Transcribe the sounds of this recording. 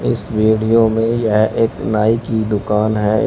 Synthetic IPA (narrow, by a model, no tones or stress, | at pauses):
ɪsʋiːɖijomẽjɛɦeːknaːikid̪ʊkaːnɦɛ̰ː